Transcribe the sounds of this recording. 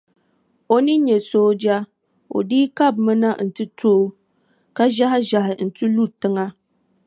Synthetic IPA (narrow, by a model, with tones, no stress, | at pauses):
o˨nɨ˦ɲɛ˨soː˦d͡ʒa˦ | o̰˨diː˦ka˦˨bmɨ˦na˦n̩˨tɨ˦tʰoː˦ | ka˦ʒa˦hɪ˦ʒa˨hɪ˨n̩˨tu˦lu˦ɾtɨ˦ŋa˦